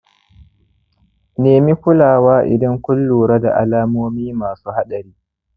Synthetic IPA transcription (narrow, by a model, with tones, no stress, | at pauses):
neː˨mi˦kʷʊ˦laː˨waː˦ʔɪ̰˨dɐ˦ŋkʷʊ˦lːuː˨ɽɐ˦da̰˨ʔa̰˨laː˦moː˦miː˦maː˨suː˦ha˦ɗɐ˨ɾiː˦